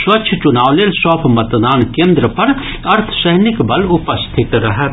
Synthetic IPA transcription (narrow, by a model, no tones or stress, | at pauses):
swɐtːʃʰət͡ʃʊnaːʋleːlsɔːpʰmɐt̪naːnkẽːnd̪ɾəpɐɾ | ɐɾt̪ʰsəɦnikbɐlʊpəst̪ʰɪt̪ɾɐɦɛ